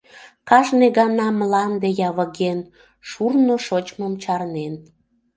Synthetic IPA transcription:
kɑʒneɣɑnɑmlɑnd̪ejɑβəɣen | ʃurnoʃot͡ɕməmt͡ɕɑrnen

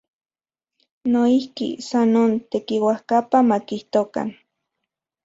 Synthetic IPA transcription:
noihkḭsanont̪ekiwahkapamakiht̪oka̰n

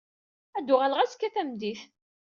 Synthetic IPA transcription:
æd̪ʊʁalʁæskːæθæmd̪iθ

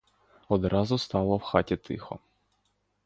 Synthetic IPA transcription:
ɔd̪ɾɑzʊst̪ɑlˠɔwxɑtʲit̪ʰɪxɔ̰

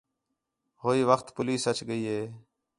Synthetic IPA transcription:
ɦoːiːʋəxt̪pʊliːsət͡ʃɡəiːɦeː

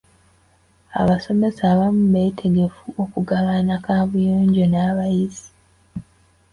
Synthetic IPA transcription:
a̰βaso̞me̞saːβamuβe̞ːtʰe̞ɡe̞fuo̞kuɡaβanakaːβujoːɲɟo̞naːβajizi̥

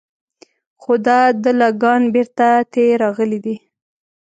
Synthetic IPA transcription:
xod̪ɑd̪əlɑɡɑnbeɾt̪at̪eɾɑɣəlid̪i

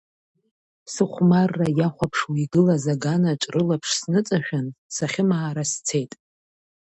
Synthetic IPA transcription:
sɨχʷmarːajaχʷapʰʂwiɡɨlazaɡanaʈ͡ʂʷʼrɨlapʰʂsnɨt͡sʼaʃᶣansaχʲɪmaaɾast͡sʰe̞jtʼ

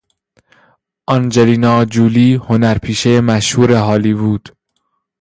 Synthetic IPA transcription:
ʔɒnd͡ʒeliːnɒːd͡ʒuːliːhonæɾpʰiːʃejemæʃhuːɾeɦɒːliːβuːd̪̥

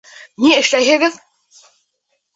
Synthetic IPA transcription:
niɘ̆ʃlæjɦɘ̆ɡɘð

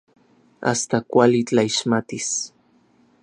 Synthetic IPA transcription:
a̰st̪akʷalɪt͡ɬʼaiʃmat̪ɪs

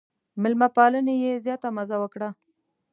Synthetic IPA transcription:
mɪlmapɑlənejezjɑt̪amazawəkɽa

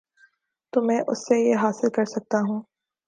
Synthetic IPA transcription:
t̪oːmɛ̃ːʔʊsːejeɦaːsɪlkɐɾsɐk̚t̪aɦũː

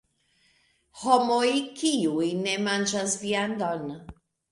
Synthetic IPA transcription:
homojkʰiujnemand͡ʒasviand̪on

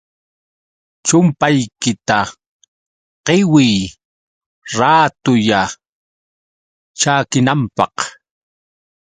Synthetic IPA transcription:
t͡ʃʊmpajkɪt̪a | qɪwɪj | ɾaːt̪ʊja | t͡ʃaːkɪnampɑ̰q

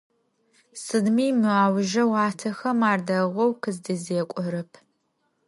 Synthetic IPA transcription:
sɨdmiːmɨaːwʒɐwaːtʰɐxɐmaːrdɐʁʷɔwkʰɨzdɐzeːkʷʼɔɾɨpʰ

